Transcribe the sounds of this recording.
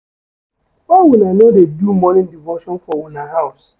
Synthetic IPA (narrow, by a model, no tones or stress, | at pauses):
owunanodedumɔnɪ̃ndivoʃɔ̃nfɔwunaɦaʊs